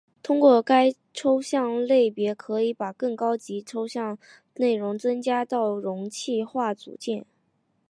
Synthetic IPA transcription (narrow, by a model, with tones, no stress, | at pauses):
t̪ʰʊ˥ŋkwɔ˥˩ka˥ɪ | ʈ͡ʂʰo˥ʊɕjɑ˥˧ŋle˥˩ɪpjɛ˧˥kʰɤ˧˥i˧˥pa˨˩kɤ˥˩ŋkɑ˥ʊt͡ɕi˧˥ʈ͡ʂʰo˥ʊɕjɑ˥˧ŋ | ne˥˩ɪɻʊ˧˥ŋt͡sɤ˥ŋt͡ɕja˥t̪ɑ˥˩ʊɻʊ˧˥ŋt͡ɕʰi˥˧xwa˥˩t͡sṵ˨˩t͡ɕjɛ˥˩n